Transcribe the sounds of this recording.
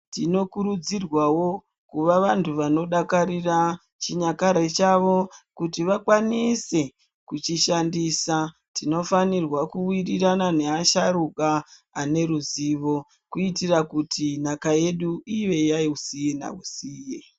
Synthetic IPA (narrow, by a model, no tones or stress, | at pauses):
tino̞kuɾud͡zirwawo̞ | kuʋaʋantʰuʋano̞ɗakaɾira | t͡ʃiɲakaɾet͡ʃaʋo̞kutiʋakwanise̞ | kut͡ʃiʃandiːsa | tino̞fanirwakuwiriranane̞aʃaɾukaːne̞ɾuziʋo̞ | kuitirakutʰinakaje̞ɗuiʋe̞jaiusijena̰usiːje